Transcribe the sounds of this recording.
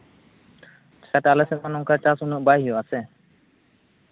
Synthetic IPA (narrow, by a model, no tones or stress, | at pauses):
t͡ʃaʈalɛsɛt̪̚manɔŋkaɹt͡ʃasunɔʔbajijɔasɛ